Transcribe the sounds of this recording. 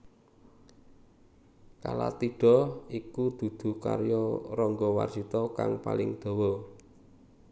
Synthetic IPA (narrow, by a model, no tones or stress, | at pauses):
kala̰t̪iɖ̥ɔ̤ikud̪̥ṳd̪̥ṳka̰ɾjɔrɔŋɡɔwa̰rsit̪ɔka̰ŋpa̰lɪŋd̪̥o̤wɔ